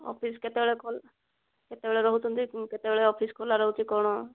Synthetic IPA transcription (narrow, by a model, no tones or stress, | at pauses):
ɔ̰pʰisket̪ebeɭɛkʰol | ket̪ebeɭeɾɔɦutunt̪iket̪ebeɭɛɔpʰiskʰolaɾɔɦut͡ʃikɔɽ̃ɔ